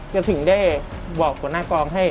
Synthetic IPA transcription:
t͡ɕa˧˩t̪ʰɯ˩˦ŋdaː˥˩jbɔː˨˩k̚ʰːuː˨˩˦naː˥˩kɔː˧ŋɦa˥˩j

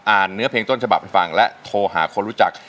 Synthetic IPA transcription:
ʔaː˨˩nːɯ˦˥ɐpʰeː˧ŋt̪o˥˩nt͡ɕʰa˧ba˨˩p̚ha˥˩fa˧ŋlɛ˦˥t̪ʰoː˧ɦaː˩˦kʰo˧nɾu˦˥t͡ɕa˨˩k̚

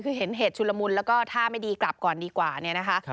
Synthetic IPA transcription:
kʰɯː˧ɦe˩˦nɦeː˨˩t̪̚t͡ɕʰu˧la˧mu˧nlɛ˦˥wkɔː˥˩t̪ʰaː˥˩ma˥˩jdiː˧kla˨˩p̚kɔː˨˩ndiː˧kwaː˨˩ni˥˩ɐna˦˥kʰa˦˥ʔ

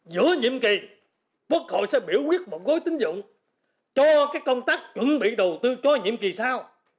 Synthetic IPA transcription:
zɨ̰˧˥əɲḭ˧˨əmki˨˩ | kwu˦˥ək̚ho̰˧˨jsɛ̰˧˥ɓi˧˩əwhwi˦˥ət̚mo˨˩t̚ɣo˨˦jt̪ï˨˦ŋ̟zʊ̰˧˨ŋ͡m | t͡ɕɔ˧kaː˦˥kːə˧wŋ͡mt̪aː˦˥k̚t͡ɕwə̰˧˥nɓḭ˧˨ɗə˨˩wt̪ɨ˧t͡ɕɔ˧ɲḭ˧˨əmki˨˩saː˧w

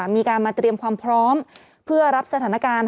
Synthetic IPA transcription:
miː˧kaː˧nmaː˧t̪ɾi˧əmkʰwaː˧mpʰɾɔː˦˥m | pʰɯ˥˩ɐɾa˦˥p̚sa˧t̪ʰaː˩˦na˧kaː˧n

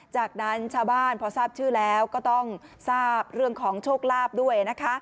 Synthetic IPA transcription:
t͡ɕaː˨˩k̚na˦˥nt͡ɕʰaː˥˩wbaː˥˩npʰɔː˧˥saː˥˩p̚t͡ɕʰɯː˥˩lɛː˦˥wkɔː˥˩t̪ɔ˥˩ŋsaː˥˩p̚ɾɯ˥˩əŋkʰɔː˩˦ŋt͡ɕʰoː˥˩k̚laː˥˩p̚du˥˩əjna˦˥kʰa˦˥

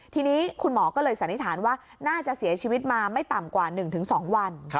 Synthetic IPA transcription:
t̪ʰiː˧niː˦˥kʰu˧nmɔː˩˦kɔː˥˩lɤː˧jsa˨˦nːi˦˥t̪ʰaː˩˦nwaː˥˩ | naː˥˩t͡ɕa˨˩ʔsi˩˦ɐt͡ɕʰiː˧wi˦˥t̪̚maː˧ma˥˩jt̪a˨˩mkwaː˨˩nɯ˨˩ŋt̪ʰɯ˩˦ŋsɔː˩˦ŋwa˧n

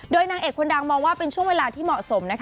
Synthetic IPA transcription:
doː˧jnaː˧ŋʔeː˨˩k̚ʰːo˧nda˧ŋmɔː˧ŋwaː˥˩pe˧nt͡ɕʰu˥˩əŋweː˧laː˧t̪ʰiː˥˩mɔ˨˩ʔso˩˦mna˦˥kʰ

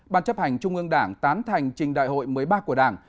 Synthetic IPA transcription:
ɓaː˧nt͡ɕə˦˥p̚ha˨˩jŋ̟t͡ɕʊ˧ŋ͡mʔɨ˧əŋɗaː˧˩ŋt̪aː˨˦nt̪ʰa˨˩jŋ̟t͡ɕï˨˩ŋ̟ɗa̰ː˧˨jɦo̰˧˨jmɨ˨˩əjɓaː˧ku˧˩əɗaː˧˩ŋ

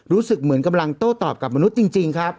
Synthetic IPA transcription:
ɾuː˦˥sɯ˨˩k̚mɯ˨˩˦ənka˧mla˧ŋt̪oː˥˩t̪ɔː˨˩p̚ka˨˩p̚ma˧nu˦˥t̪̚t͡ɕi˧ŋt͡ɕi˧ŋkʰɾa˦˥p̚

